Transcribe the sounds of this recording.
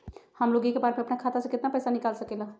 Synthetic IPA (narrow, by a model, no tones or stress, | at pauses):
həmloɡikebaɾemeəpnakʰat̪asẽket̪napəjsanikalsəkeləɦ